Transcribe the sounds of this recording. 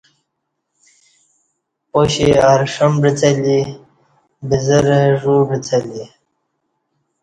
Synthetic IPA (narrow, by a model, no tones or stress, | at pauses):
poɕiaɾʂəmbɾit͡sali | bizəɾʐuːbɾit͡sali